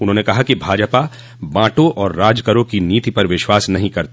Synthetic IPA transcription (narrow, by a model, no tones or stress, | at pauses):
ʊnɦõːnekɐɦakibʱaːd͡ʒpa | bãːʈõʔɔːɾːaːd͡ʒkəɾõkiniːt̪ipɐɾʋɪʃwaːsnɐɦĩkɐɾt̪